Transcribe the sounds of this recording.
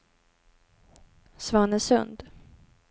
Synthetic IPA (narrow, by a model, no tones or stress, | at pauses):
svɑːnəsɵ̰nd̪